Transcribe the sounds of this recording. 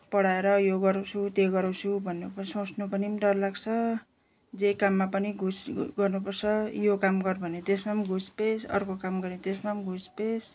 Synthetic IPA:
pʌɽaeɾʌjoɡʌɾat͡sʰut̪eɡʌɾawt͡sʰubʱʌnːupʌsʌ̃t͡snupʌnimdʌrlaɡt͡sʰʌ | d͡zejkamːapʌniɡʱusɡʌrnupʌrt͡sʰʌjokamɡʌrbʱʌnet̪esmamɡʱuspesʌ̰rkokamɡʌɾit̪esmamɡʱuspes

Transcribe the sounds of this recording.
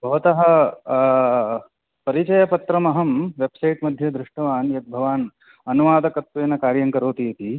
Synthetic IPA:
bʱɐʋɐt̪ɐɦɐ̆ | pɐɾit͡ʃɐjɐpɐt̪ɾɐmɐɦɐmʋebsɐjʈmɐd̪ʱjɐd̪ɾɪʂʈɐʋaːnjɐt̪̚bʱɐʋaːn | ɐnuʋaːd̪ʱɐkɐt̪ʋeːnɐkaːɾjɐŋkɐɾoːt̪iɐt̪i

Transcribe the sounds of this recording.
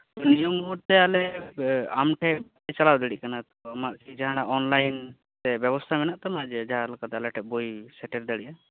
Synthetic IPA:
nijɔmuɾt̪ɛalɛ | amʈʰɛp̚ | ɛt͡ʃalawd̪əɽiʔkanat̪ɔamaʔsid͡ʒaɦanaʔɔnlajn | t̪ɛbjɛbɔst̪ʰamɛnaʔt̪ɔmaʔd͡ʒɛd͡ʒaɦalɔkat̪ɛalɛʈʰɛp̚bojsɛʈɛɾd̪aɽiʔa

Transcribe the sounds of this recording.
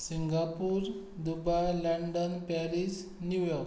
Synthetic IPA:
siŋɡapuːɾ | d̪ubajləɳɖənpaɾis | njujɔɾk

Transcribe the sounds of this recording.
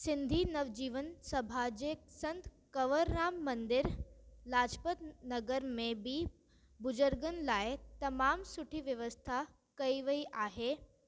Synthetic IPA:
sɪ̃nd̪ʱinɐʋd͡ʑiːʋənsɐbʱad͡ʑeːsɐ̃nt̪ | kɐʋəɾnaːmːɐ̃nd̪ɪɾlaːd͡ʑpət̪nɐɡəɾmẽbʱi | bʊd͡ʑəɾɡənɪ̆laːɪt̪ɐmaːmsʊʈʰiʋjɐʋəst̪ʰa | kɐiʋɐiʔaːɦeː

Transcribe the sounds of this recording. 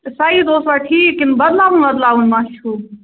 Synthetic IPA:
saːɦid̪oːst̪baʈʰiːkːinbɐd̪laːʋunbəd̪laːunmãt͡ʃʰu

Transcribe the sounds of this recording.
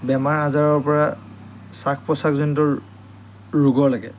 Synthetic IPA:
bɛmaɹazaɹɔɹpɔɹa | sakʰpɔsakzɔnitɔ | ɹuɡɔɹlaɡɛ̰

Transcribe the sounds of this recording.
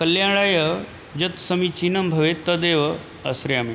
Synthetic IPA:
kəljaɭajə | d͡ʑɐt̪səmit͡ɕinəmbʱɐʋet̪əd̪eʋə | ɐ̰sɾjami

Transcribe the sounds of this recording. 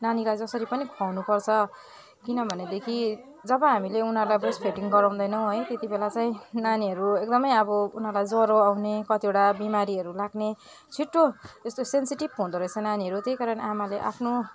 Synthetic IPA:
nanilajd͡zʌsʌɾipʌnikʰawnupʌrt͡sʰʌ | kinʌbʱʌned̪ekʰi | d͡zʌbʌɦamileunʌrlajbrespʰeʈiŋɡʌɾaw̃nd̪ʌjnʌw̃ɦʌjt̪et̪ibelat͡saĩnaniɦʌɾuek̚d̪ʌmʌjʌbʌunɦʌrlajd͡zʌɾoawnekʌt̪ieʈabimaɾiʌɾulaɡne | t͡sʰiʈːoest̪osensiʈib̚ɦõũd̪ʌɾʌjt͡sʰʌ̃naniɦʌɾut̪ejkaɾʌnamaleʔa̰pʰno

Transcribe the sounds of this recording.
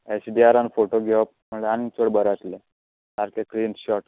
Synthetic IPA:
esɖiaɾanfoʈoɡʱeʋap̚məɭeanit͡soɽbəɾat͡sle | t̪aɾkekɾiːnɕɔʈ

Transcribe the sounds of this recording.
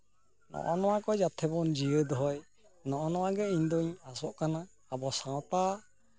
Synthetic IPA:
nɔ̰ʔɔnɔwakɔd͡ʒat̪ʰɛbɔnd͡ʒijəd̪ɔɦɔj | nɔʔɔnɔwaɡɛiɲd̪ɔɲasɔʔkanaː | bɔsãwt̪a

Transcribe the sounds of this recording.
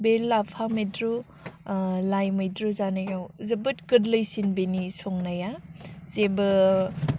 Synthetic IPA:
belːapʰamedɾu | lajmɐjdɾuzanaɡawzəbɯtkɯdləjsinbenisɔŋnajazebɯ

